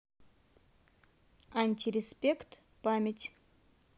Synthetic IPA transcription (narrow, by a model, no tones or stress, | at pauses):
anʲt̪ʲiɾʲɪspʲekt̪ | pamʲɪtʲ